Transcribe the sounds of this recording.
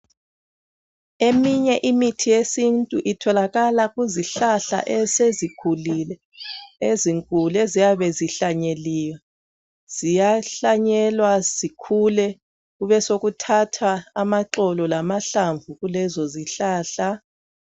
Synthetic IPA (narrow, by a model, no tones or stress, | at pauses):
emiɲɛʔimitʰijesintʼuʔitʰɔlaɣalaɣuziɬaɬa̰ʔɛsezikʰulilɛ | eziŋkʼulɛzijaβɛziɬaɲeliːwa | z̥ijaɬaɲɛlwazikʰulɛ | ɣuβɛsoɣutʰatʰaːmaǁɔlɔlamaɬaɱvuɣulɛzɔziɬaːɬa